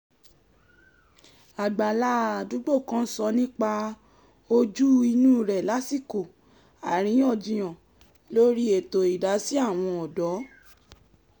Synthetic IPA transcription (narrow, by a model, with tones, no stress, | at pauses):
a˨ɡ͡ba˨la˨˦a˨du˨˦ɡ͡bo˦˨kã˦sɔ˧˦nĩ˦k͡pa˧ | o˧d͡ʒu˦i˧nũ˦˨ɾɛ˨la˨˦si˦˨ko˨ | a˨ɾ̃ĩ˨˦ɔ˦˨d͡ʒĩ˨j̃ã˨ | lo˦ɾi˦e˨to˨i˨da˨˦si˦a˦˨w̃ɔ̃˧ɔ˨dɔ˨˦